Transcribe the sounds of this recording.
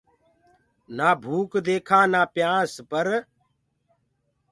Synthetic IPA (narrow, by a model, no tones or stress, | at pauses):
naːbʱuːkd̪eːkʰãːnaːpjãːspəɾ